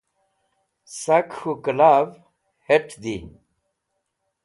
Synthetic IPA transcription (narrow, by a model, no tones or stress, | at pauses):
sakhukəlaːv | heʈʰd̪i